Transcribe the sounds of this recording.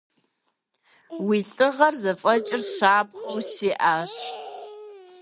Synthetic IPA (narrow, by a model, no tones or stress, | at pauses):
wiɬʼɨʁɐrzɐfʼɐt͡ʃʼɪrʃaːpχowsiːʔaːɕ